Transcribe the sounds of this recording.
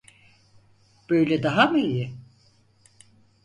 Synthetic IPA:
b̥øjlʲɛd̪aɦamɯijɪ

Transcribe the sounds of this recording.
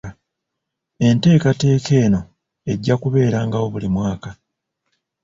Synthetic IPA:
e̞nte̞ːkate̞ːkʰe̞ːno̞ | e̞ɟːakuβe̞ːɾaːŋɡawo̞βulimwaːka

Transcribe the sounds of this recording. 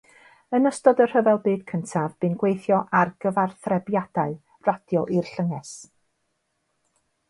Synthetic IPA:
ənəstɔdər̥əvɛlˠbɨːd̥kʰəntʰavbɨnɡwejθjɔʔarɡ̥əvarθrɛbjad̥aɨ | rad̥jɔʔirɬəŋɛs

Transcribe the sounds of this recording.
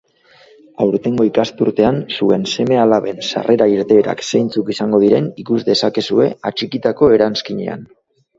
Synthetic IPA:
awɾt̪e̞ŋɡo̞ikast̪uɾt̪e̞ansue̞nse̞me̞alaβe̞nsa̰rʔe̞ɾaiɾt̪e̞ːɾa̰kse̞jnt͡sukisaŋɡo̞ð̞iɾe̞nikuzd̪e̞sake̞sue̞at͡ʃikit̪ako̞e̞ɾanskiɲḛa̰n

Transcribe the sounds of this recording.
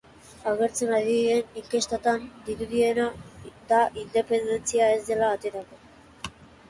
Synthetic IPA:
aɣ̞e̞ɾt͡senaðiðiðe̞niŋke̞st̪at̪and̪iɾuðie̞nad̪aʔind̪e̞pe̞nd̪e̞nt͡siae̞zd̪e̞laːt̪e̞ɾako̞

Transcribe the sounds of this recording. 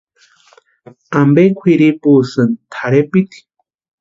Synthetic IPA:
ambekʷʰiɾipusɨnt̪ʰaɾepit̪i̥

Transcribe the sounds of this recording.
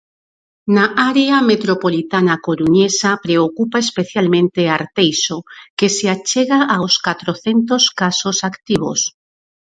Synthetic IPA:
naʔaɾeamet̪ɾopolit̪anakoɾuɲesapɾeokupaespeθjalmẽnt̪eaɾt̪ejsokeseat͡ʃeɣaʔaoskat̪ɾoθent̪oskasosakt̪iβ̞o̰s

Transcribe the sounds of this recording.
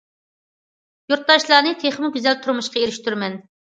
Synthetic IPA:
juɾt̪̚d̪ɑʃlˠɑːnɨt̪ʰeχmɪɡʲyzɛlt̪ʰuɾmuʃqɑeɾɪʃt̪yɾmɛn

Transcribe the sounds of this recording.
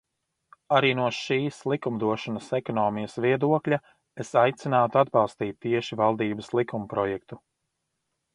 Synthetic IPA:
aɾiːnuɔʃiːslˠikumd̪uɔʃɔnəsekɔnɔːmijɐsviɛd̪uɔklʲa | esajt̪sinaːt̪uad̪bɑlˠst̪iːt̪ːiɛʃivalˠd̪iːbəslˠikumpɾɔjɛk̚t̪u

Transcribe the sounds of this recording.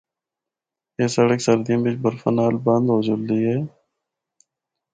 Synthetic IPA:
eːsəɽəksəɾd̪ijãːbɪt͡ʃbəɾfənaːlbə̃nd̪ɦoːd͡ʒʊld̪iːɦɛː

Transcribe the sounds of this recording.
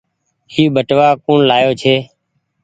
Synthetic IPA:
iːɓʱəʈʋaːkũːɳlaːjoːt͡ʃʰeː

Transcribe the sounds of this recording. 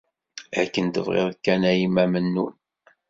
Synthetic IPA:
ækːənt̪əvʁɪ̰ðkːænæjimæmənːun

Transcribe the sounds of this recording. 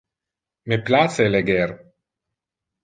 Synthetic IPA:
meplaseleɡeɾ

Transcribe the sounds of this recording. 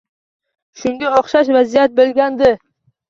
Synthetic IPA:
ʃʊŋɡʲaoχʃaʃvazijat̪̚belɡʲand̪ɪ

